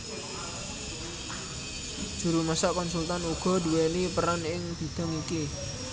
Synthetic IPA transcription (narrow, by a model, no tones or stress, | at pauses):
d̥ʒ̥ṳɾuməsaʔkɔnsult̪anuɡ̥ɔ̤duwenipəɾanɪŋb̥i̤d̪̥ɔ̤ŋiki